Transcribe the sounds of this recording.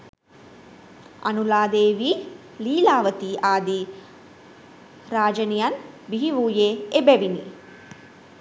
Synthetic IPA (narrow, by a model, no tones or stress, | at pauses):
ɐ̰nulaːd̪eːʋi | liːlaːʋɐt̪iaːd̪i | ɾaːd͡ʒɐnijɐn | biɦiʋuːjeːebeʋini